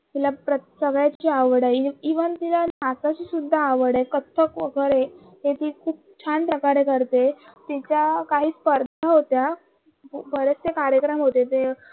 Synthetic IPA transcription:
t̪ilapɾəsəɡɭjat͡ɕiːaʋɽajiʋənt̪ilanasat͡ɕiːsud̪ʱːaːʋəɽajkət̪ʰːəkʋəɡəɾe | ɦet̪iːkʰuːp̚t͡ɕʰanpɾəkaɾekəɾt̪et̪it͡ɕjakaɦiːspəɾd̪ʱaɦot̪ja | bʱəɾət͡sekaɾjəkɾəmɦot̪et̪e

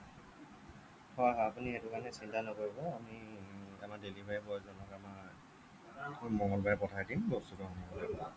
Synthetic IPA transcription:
hɔaɦɔapunietukanɛsintanɔkoɹibɔamiamaɹdelibʱajbɔzɔnɔkamaɹ | mɔŋɡɔlbajɛpɔtʰajdimbɔstuɡɔxɔmɔbɔdɔbɔ

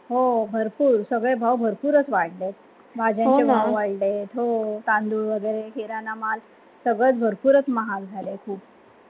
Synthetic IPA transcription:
ɦobʱəɾpuːɾsəɡɭebʱawbʱəɾpuːɾət͡sʋaɽlet̪̚ | bʱad͡ʑãt͡ɕebʱawʋaɽlet̪ɦot̪ãnd̪uːʋəɡəjɾeɦiɾanamal | səɡɭət͡sbʱəɾpuːɾət͡sməɦald͡zʱalekʰuːp̚

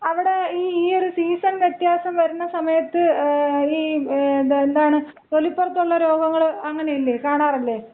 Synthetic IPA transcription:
ɐʋiɽe̞iːiːo̞ɾusiːsɐnʋjet̪jaːsɐmʋɐɾunːɐsɐmɐjɐt̪ːɨiː | end̪aːɳɨ | t̪o̞lipːɐrt̪ːuɭːɐɾo̞ːɡɐŋːɐɭɐŋːɐnejilːeːkaːɳaːrilːeː

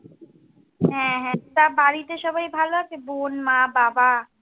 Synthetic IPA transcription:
ɦɛ̃ɦɛ̃t̪abaɾit̪eʃɔbajbʱaloat͡ɕʰebonmababa

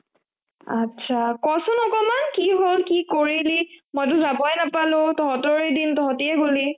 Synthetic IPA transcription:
atsʰakɔsʊnɔkɔmankiɦolkikoɹilimojt̬ʊzabɔjnapalʊ̃tɔɦɔtɔɹedintɔɦɔtiɛɡoli

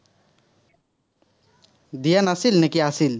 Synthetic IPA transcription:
d̪ijanasilnekiasil

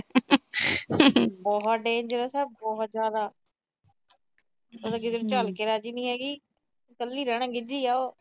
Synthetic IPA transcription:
bɔːɦt̪ɖẽːnd͡ʒəɾəsɛːbɔːɦt̪zjaːd̪aː | od̪aːɡɪd͡ʒ̪əɾt͡ʃəlkeːɾaːd͡ʒiːnĩːɦɛːɡiː | kəlːiːɾəɽ̃ãːɡɪd͡ʒ̪iːaːoː

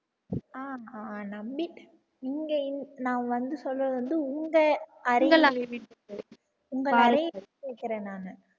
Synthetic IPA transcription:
aːnɐmbiʈ | niːŋɡɐɪnnãːʋɐnd̪ɯsɔlːɐʋɐnd̪ɯʊŋɡɐɐɾɪɡɐlaʋiʈː | ʊŋɡɐɐɐjɐkeːkːɪɾẽːnaːnɐ

